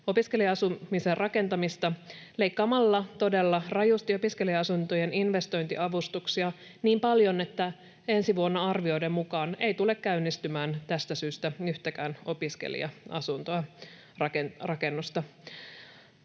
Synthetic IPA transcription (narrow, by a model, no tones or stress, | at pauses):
o̞piske̞liɑɑsumiserrʔɑke̞nt̪ɑmist̪ɑle̞jkːɑːmɑlːɑt̪o̞de̞lːɑrɑjust̪io̞piske̞liɑɑsunt̪o̞je̞ninʋe̞st̪o̞jnt̪iʔɑʋust̪uksiɑ | niːmpɑljo̞ne̞t̪ːæ | e̞nsiʋuonːɑɑrʋio̞jde̞mmukɑːne̞jt̪ule̞kːæynːist̪ymæːnt̪æst̪æsyːst̪æyht̪ækæːno̞piskḛlḭɑ̰ɑ̰sunt̪oɑ | rɑkerɑke̞nːust̪ɑ